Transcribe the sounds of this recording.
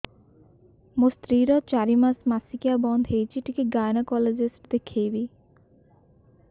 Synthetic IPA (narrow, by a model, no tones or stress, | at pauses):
most̪ɾiɾɔt͡ɕaɾimasmasikiabɔnd̪ʱɦejt͡ɕʰiʈikeɡajnakɔled͡ʑisʈd̪ekʰːejbi